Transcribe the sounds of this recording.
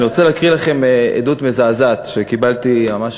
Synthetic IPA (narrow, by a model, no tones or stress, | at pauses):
niʁo̞t͡seleːkʁilaχe̞mḛd̪ut̪mezaːzat̪ʃekibalt̪imamaʃ